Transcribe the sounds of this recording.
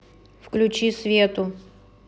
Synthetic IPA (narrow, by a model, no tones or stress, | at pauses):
fklʲʊt͡ɕisvʲet̪ʊ